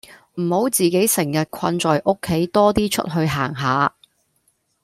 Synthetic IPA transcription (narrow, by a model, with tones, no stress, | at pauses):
m̩˨˩ho˨˥wt͡siː˨˩ke˨˥jsɪ˨˩ŋjɐ˨t̚kʷʰɐ˧nt͡ʃɔː˨jʔo˥kʰːe˨˥jt̪ɔː˥t̪iː˥t͡ʃʰɵ̰˥t̚ɦɵ˧ɥɦaː˨˩ŋɦaː˨˧˦